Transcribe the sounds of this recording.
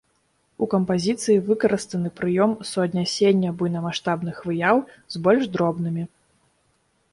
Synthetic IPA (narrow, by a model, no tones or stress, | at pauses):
ukɐmpazʲit̪sɨjivɨkɐɾɨst̪ɐnɨpɾɨjɔmsuɐd̪ʲnʲasʲenʲːɐbujnɐmaʂt̪abnɨxvɨjaw | zbɔlʲʐd̪ɾɔbn̪ɨmʲi